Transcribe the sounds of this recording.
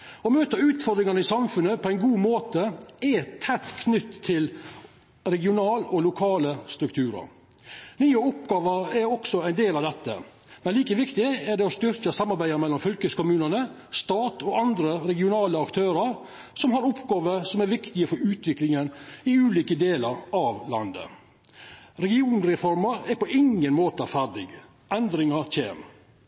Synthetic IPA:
ɔmøːt̪əʉːt̪fɔɾd̪ɾɪŋɑnəɪsɑmfʉnːəpʰɔæɪnɡuːmoːt̪əɛt̪ʰːɛt̪ːkʰnʏt̪ʰːɪl | ɾɛɡɪʊnɑːlɔlʊkʰɑːləst̪ɾʉkt̪ʰʉːɾə̰ɾ | nyːəʊpɡɑːʋəɾɛɾɔksɔæɪnd̪eːlɑʋd̪ɛt̪ːə̰mɛnliːkəʋɪkt̪ɪæɖɛɔst̪ʏɾkəsɑmːɑɾbæɪəmɛlːɔmfœlkəskʊmʉːnənə | st̪ɑːt̪ɔɑnd̪ɾəɾɛɡɪʊnɑːləɑkt̪ʰøːɾəɾ | sɔmɦɑɾʊpɡɑːʋəsɔmæɾʋɪkt̪ɪəfɔɾʉːt̪ʋɪklɪŋənɪʉːliːkəd̪eːləɾɑʋlɑ̰nd̪ə̰ | ɾɛɡɪuːnɾɛfɔɾməɾɛɾpɔʔɪŋːənmoːt̪əɑfæɖɪ̰ɡ | ʔɛnd̪ɾɪŋəɾçḛːm

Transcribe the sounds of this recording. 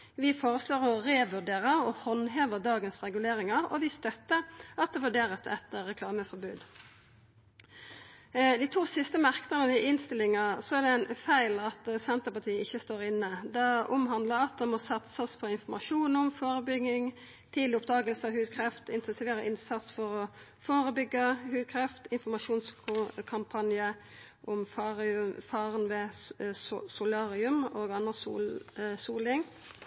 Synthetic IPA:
ʋɪfoːɾəsloːɾɔɾeːʋʉɖeːɾəɾɔhɔnɦeːʋəd̪ɑːɡənsʁɛɡʉleːɾɪŋɑɾɔ̰ʋɪst̪œt̪ːəɾɑt̪̚d̪ɛʋʉɖeːɾəsɛ̰t̪əːɛkʰlɑːməfɔɾbʉːd̪ | d̪iːt̪ʰuːsɪst̪əmɑʁknənənɪʔɪnst̪ɪlɪŋɑsɔæɖɛæɪnfæɪlɑt̪sɛnt̪əpɑt̪ʰiːəɪçːəst̪oːɾɪnːəd̪ɑʊmɦɑnd̪ləɑt̪̚d̪ɛmɔsɑt̪səspʰɔɪnfɔmɑʂuːnʊmfoːɾəbʏɡɪŋ | t̪ʰiːd̪lɪʊp̚d̪ɑːɡəlsəɑhʉːd̪̚kʰɾɛft̪ɪnt̪ʰɛnsɪʋeːɾəʔɪnsɑt̪sfɔɾɔ | foːɾəbʏɡːəhʉːd̪̚kʰɾɛft̪ɪnfɔmɑʂuːnskʰɑmpʰɑnjə | ʔɔmfɑfɑːʁənʋɛ | sʊlɑːɾɪʉmoːɡɑnʁəsṵːsuːlɪŋ

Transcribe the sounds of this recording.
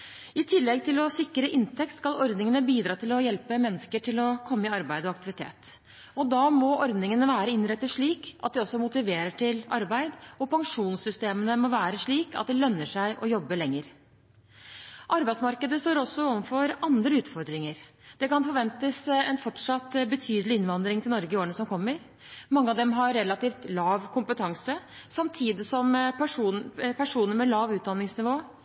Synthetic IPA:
ɪt̪ʰɪlːɛɡ̚t̪ɪlɔsɪkːɾəʔɪnt̪ʰɛk̚t̪skɑlɔɾd̪nɪŋənəbiːd̪ɾɑːt̪ʰɪlɔjɛlpəmɛnːəskəʈʰɪlɔkʰɔmːəɪɑɾbæɪd̪əɔɑk̚t̪ɪʋɪt̪ʰḛːt̪ | ɔd̪ɑːmɔʔɔɾd̪nɪŋənəʋæːɾəɪnɾɛt̪ːəʂɭiːkʔɑ̰t̪̚d̪ɛɔsːɔmʊt̪ɪʋeːɾəʈʰɪlɑɾbæɪd̪ɔpɑŋʂuːnsʏst̪eːmənəmɔʋæːɾəʂɭiːkɑ̰t̪̚d̪ɛlœnːəʂæɪʔɔjɔbːəlɛŋːəɾ | ʔɑɾbæɪd̪smɑɾkəd̪əst̪oːɾɔsːɔɔʋnfɔɾɑnd̪ɾəʉːt̪fɔɾd̪ɾɪŋəɾd̪̥ɛkɑnfɔɾʋɛnt̪əsɛnfɔʈʂɑt̪ːbət̪ʰyːd̪əlɪɪnʋɑnd̪ɾɪŋt̪ʰɪlnɔɾɡəɪoːɾəɳəsɔmkʰɔmːəɾ | mɑŋːəɑd̪ɛmɦɑɾːɛlɑt̪iːft̪lɑːʋkʰʊmpət̪ʰɑŋsə | sɑmt̪ʰiːd̪ɪsɔmʂuːnpʰæʂuːnəɾmɛlɑːʋʉːt̪̚d̪ɑnːɪŋsnɪʋoː

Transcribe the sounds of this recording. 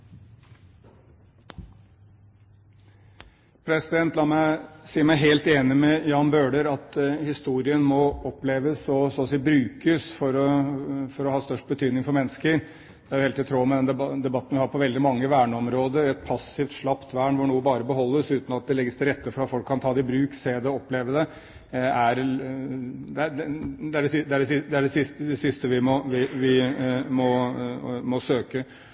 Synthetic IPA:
pʰɾɛsɪd̪ɛnt̪lɑːmæɪsiːəɾmæɪɦeːlt̪eːnɪmɛjɑːnbøːɖəɾɑt̪hɪst̪uːɾɪənmɔɔpleːʋəsɔsɔːsiːbɾʉːkəsfɔɾɔfɔɾɔhɑːst̪œʂʈ̚bət̪ʰyːd̪nɪŋfɔɾmɛnːəskəɾ | d̪̥ɛæɾjʊheːlt̪ɪt̪ʰɾoːmɛd̪ɛnd̪ɛbɑt̪ːn̩ʋɪhɑːɾpʰɔʋɛld̪ɪmɑŋːəʋæːɳəɔmɾoːd̪əɾɛt̪̚pʰɑsɪft̪ʂɭɑpt̪ʰʋæːɳʋʊɳuːəbɑːɾəbəɦɔlːəsʉːt̪nɑt̪̚d̪ɛlɛɡːəst̪ʰɪɾɛt̪ːəfɔɾɑt̪fɔlkʰːɑnt̪ʰɑːd̪ɛɪbɾʉːkseːd̪əɔɔpleːʋəd̪ɛ | æɾ | d̪ɛæd̪ɛæɖɛsɪd̪ɛæɖɛsɪd̪ɛæɖɛsɪsd̪ɛsɪst̪əʋɪmɔʋɪʋɪmɔ | mɔsøːkə

